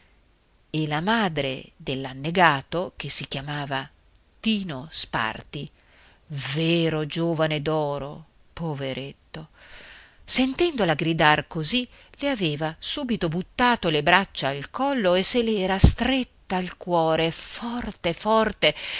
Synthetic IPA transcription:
elamaːd̪ɾḛd̪elːanːeɡaːt̪ok̟esikjamaːva | t̪iːnospa̰rt̪i | veːɾod͡ʒoːvaned̪ɔːɾo | poveɾʔet̪ːo | sent̪ɛnd̪olaɡɾid̪arkozi | leavɛːvasuːbit̪obut̪ːaːt̪olebɾat͡ʃːaːlkɔlːoeselɛːɾast̪ɾet̪ːaːlkwɔːɾefɔrt̪efɔrt̪e

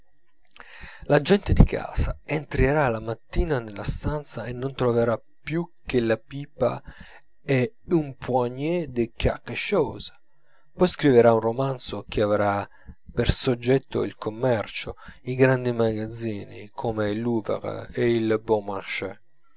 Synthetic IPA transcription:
lad͡ʒɛnt̪ed̪ikʰa̰ːsaent̪ɾeɾalamat̪ːiːnanelːast̪ant̪saenːont̪ɾoveɾa | pːjuk̟ːelapipa̰ | ɛ | umpwaɲɛd̪ɪkːa̰qːeʃɔːzḁ | pɔjskɾiveɾaunromant̪sok̟iavɾa | persod͡ʒːɛt̪ːo̰ḭlkʰomːɛrt͡ʃoiɡɾand̪imaɡad̪ziːnḭkʰoːmeluva̰ʁ̰eilbomaʃɛ

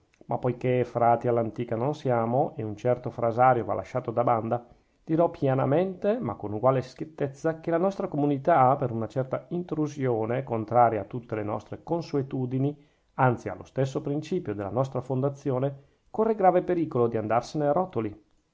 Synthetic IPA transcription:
mapːojkefɾaːt̪ialːant̪iːkanonsjaːmoʔeunt͡ʃɛrt̪ofɾazaːɾjova̰lʔa̰ʃːaːt̪od̪aband̪a | d̪̥iɾɔpːjana̰ment̪ema̰kːonuɡwaːleskjet̪ːet̪sːakelanɔst̪ɾakomunit̪apeɾunat͡ʃɛrt̪aint̪ɾuzjoːnekont̪ɾaːɾjaːt̪ːut̪ːelenɔ̰st̪ɾekonsuet̪uːd̪ini | ant̪sia̰lːo̰st̪es̬ːopɾint͡ʃiːpjod̪elːa̰nɔst̪ɾafond̪at̪sːjoːne | korːeɡɾaːvepeɾiːkolod̪iand̪arseneaɾɔt̪oli

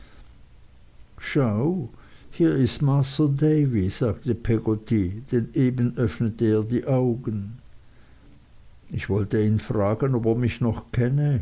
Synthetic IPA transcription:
ʃaʊhiːɐɪstmaːstɐdeɪviz̥aːktəpʰɛɡotid̥ɛnʔeːbənʔœfnətəeːɐdiːʔaʊɡən | ɪçv̥ɔltəiːnfʁaːɡənopeːɐmɪçnɔχkʰɛnə

